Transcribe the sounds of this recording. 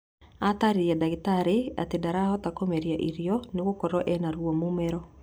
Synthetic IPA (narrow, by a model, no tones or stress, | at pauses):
ataɾijadaɡɪtaɾɪa̰t̪idaɾahɔt̪akomeɾjaʔiɾjɔnɪwokɔɾɔʔɛnaɾwomumɛɾɔ